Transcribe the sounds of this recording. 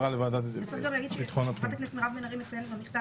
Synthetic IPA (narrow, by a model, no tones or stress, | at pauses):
alevaːd̪atvett͡sʁiχɡamlaːɡid̪ʃit̪χonapχat̪aknestmeʁavmenɐʁimet͡selvamiχda